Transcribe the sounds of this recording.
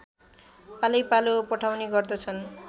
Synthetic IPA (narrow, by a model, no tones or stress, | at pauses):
palʌjpalopʌʈʰawniɡʌrd̪ʌt͡sʰʌn